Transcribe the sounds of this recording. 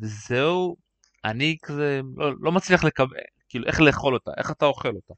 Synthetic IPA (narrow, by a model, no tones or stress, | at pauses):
vezeu | anikazelolo̞mat͡sliaχle̞kabḛlkiːluʔe̞χle̞ːχo̞lo̞t̪a̰ʔe̞̰χat̪ao̞χe̞lo̞ta